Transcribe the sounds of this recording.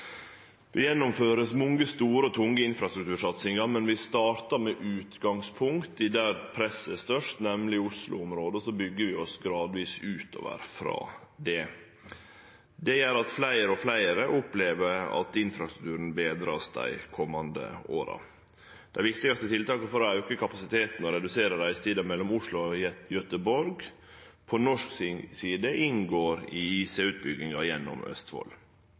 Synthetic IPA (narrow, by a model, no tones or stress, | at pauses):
ʋɪjɛnːʊmføːɾəsmɔŋːəst̪uːɾəɔt̪ʰʊŋəɪnfɾɑst̪ɾʉk̚t̪ʰʉːɾʂɑt̪sɪŋɑɾmɛnʋɪst̪ɑːɾt̪ɑɾmɛʔʉːt̪ɡɑŋspʰʊŋkt̪ɪd̪æɾpʰɾɛsːəst̪œʂt̪nɛmlɪʊslʊ̰ʊmɾoːd̪əsɔbʏɡːəɾʋɪɔsɡɾɑːd̪ʋiːsʉːt̪o̰ːʋə̰ɾfɾɑ̰ːd̪ɛ | d̪ɛjæɾɑt̪flæɪɾəɔflæɪɾəʔʊpleːʋəɾɑ̰t̪ɪnfɾɑst̪ɾʉ̥kt̪ʉːɾən̩beːd̪ɾɑ̰ːsd̪æ̰ɪkʰɔmːɑnd̪ə̰o̰ːɾɑ̰ | d̪̥æɪʋɪkt̪ɪɡɑst̪ət̪ʰɪlt̪ɑːkəfɔɾɔɑʉkəkɑpɑsɪt̪ʰeːt̪n̩ɔɾɛd̪ʉseːɾəɖæɪɪst̪iːd̪ɑmɛlːɔmʊʂlʊɔjœt̪əbɔɾɡ | pʰɔnɔʂksiːd̪əʔɪŋɡoːɾɪiːseʉːt̪̚bʏɡɪŋɑjɛnːɔ̰mœ̰st̪fo̰l